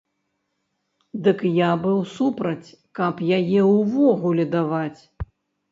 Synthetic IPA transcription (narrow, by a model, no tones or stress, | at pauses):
d̪ɨkjabɨwsupɾɐt͡sʲ | kɐpjajɛwvɔɣulʲɛd̪avat͡sʲ